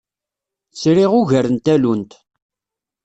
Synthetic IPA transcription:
θt͡sɾɪʁʊʝəɾənt̪ælunt̪

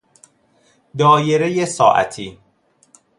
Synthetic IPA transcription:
d̪ɒːjeɾejesɒːʔæ̰t̪ʰiː

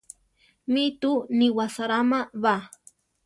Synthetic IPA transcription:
mit̪uniwasaɾamaβa

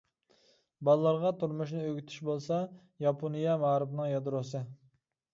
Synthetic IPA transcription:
bɑlˠːɑɾʁɑt̪ʰuɾmuʃnɪøɡʲyt̪ʰy̥ʃbolˠsɑ | jɑpʰonijɛmɑɾɨpnɨŋjɑd̪ɾosɨ

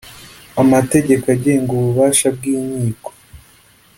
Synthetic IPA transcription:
amate̞ɟe̞kaɟeeŋɡuβuβaːʃab̚ɡiːɲiːko̥

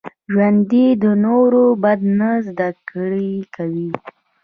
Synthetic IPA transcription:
ʒwand̪id̪ənoɾobad̪nazd̪akɽikawi

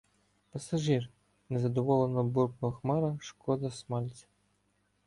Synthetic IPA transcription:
pɐsɐʒir | nɛzɐd̪ɔʋɔlˠenɔburknɔɦɔxmɑɾɐʃkɔd̪ɐsmɑlʲt͡sʲɐ̥

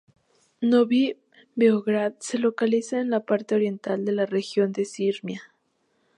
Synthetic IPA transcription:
noβi | beoɣɾaðse̞lo̞kalisaenlapaɾt̪eoɾje̞nt̪ald̪e̞larexjo̞nd̪e̞siɾmja

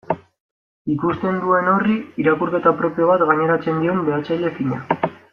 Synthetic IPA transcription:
ikust̪e̞nd̪ue̞no̞riiɾakuɾke̞t̪apɾo̞pijo̞βat̪ɣaɲe̞ɾat͡se̞nd̪io̞mbe̞at͡sajʎe̞fiɲa̰

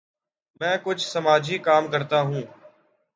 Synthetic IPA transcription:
mɛ̃ːkʊd͡ʒʱsəmaːd͡ʒʱiːkaːmkəɾt̪aːɦũː

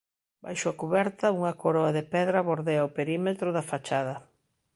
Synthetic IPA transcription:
ba̰jʃʊakuβɛɾt̪ɐuŋɐkoɾɔaðepɛðɾɐβoɾðeɐopeɾimet̪ɾʊðɐfat͡ʃaðɐ

